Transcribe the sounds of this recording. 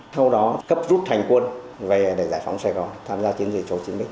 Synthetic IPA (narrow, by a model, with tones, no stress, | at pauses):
sa˧wɗɔ˨˦kə˦˥p̚zu˦˥t̚t̪ʰa˨˩jŋ̟kwə˧n | ve˨˩ɗe˧˩zaː˧˩jfa̰˨˦wŋ͡msɛː˧ɣɔ˨˩nt̪ʰaː˧mzaː˧t͡ɕi˨˦ənzi˨˩t͡ɕo˨˦t͡ɕi˨˦mɓi˦ŋ